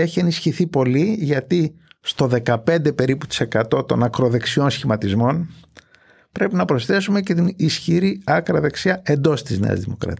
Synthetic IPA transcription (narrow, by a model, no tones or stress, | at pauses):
eçie̞nisçiθipo̞liʝɐt̪ist̪o̞ðe̞kɐpe̞nd̪e̞pe̞ɾiput̪i̥se̞kɐt̪o̞t̪o̞̰nɐkɾo̞ðe̞ksio̞nsçimɐt̪izmo̞n | pɾe̞pinɐpɾo̞sθe̞sume̞ce̞t̪inisçiɾiɐkɾɐðe̞ksiɐe̞nd̪o̞st̪izne̞̰ɐ̰zðimo̞̰kɾɐ̰t̪